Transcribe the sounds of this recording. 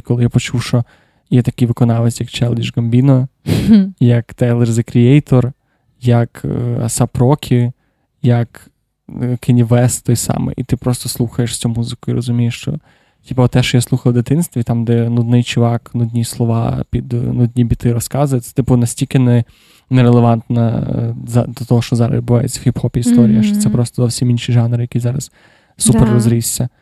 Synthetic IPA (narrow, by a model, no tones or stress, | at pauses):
kɔlˠɪjapɔt͡ʃuwʃt͡ʃɔ | jɛt̪ɐkɪjʋɪkɔnɑlˠɪsʲjɐk̚t͡ʃɛlˠdʲiʒɡɐmbʲinɔ | jɐkt̪ɛlˠɛrzekɾʲiɛjt̪ɔr | jɐkɐ̰sɐpɾɔkʲʰi | jɐk | kʰɪnʲiʋɛst̪ɔjsɑ̰mɪ̰ʔḭt̪ɪpɾɔst̪ɔslˠuxɐjeʃsʲt͡sʲumuzɪkʊiɾʔɔzʊmʲijeʃt͡ʃɔ̰ | tʲipɐɔt̪ɛʃt͡ʃɔjaslˠuxɐlˠd̪ɪt̪ɪnst̪ʋʲit̪ɑmd̪ɛnud̪nɪjt͡ʃʊʋɑknud̪ʲnʲislˠɔʋɑ̰pʲid̪nud̪ʲnʲibʲit̪ɪɾɔskɑzʊjɛt̪ɛ̥t̪ɪpʊnɐsʲtʲilʲkɪnɛ | nɛɾelˠeʋɑnt̪nɐzɑ̰d̪ɔt̪ɔɦɔʃt͡ʃɔzɑɾɐ̰zʲɪd̪bʊʋɑjʊ̰t͡sʲɐxʲɪpxɔpʲiist̪ɔɾʲijɐʃt͡ʃɔ̥t̪sɛpɾɔst̪ɔzɔwsʲiminʃiʒɑnɾɪjɐkʲizɑɾɐs | superːɔzɾʲisʲt͡sʲːɐ